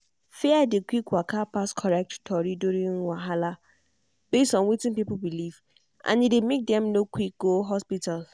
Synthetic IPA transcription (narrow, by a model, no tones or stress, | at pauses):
fɛadekwikwakapaskʰɔɹɛk̚ttʰɔɹiduɹĩŋwaɦala | b̥estɔ̃nwitĩnpipulbiliv | ʔã̰nidemek̚dɛ̃mnokwik̚ɡoɦɔspital